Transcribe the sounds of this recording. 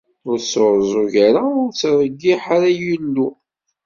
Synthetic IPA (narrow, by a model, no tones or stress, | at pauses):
ʊɾsoɾzˤuʝaɾaʊɾt͡sɾˤəɡːiħaɾajinːu